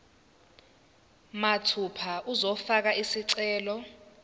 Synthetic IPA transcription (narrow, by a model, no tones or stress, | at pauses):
matʰupʰaʔuzɔfak̬aisiǀɛːlɔ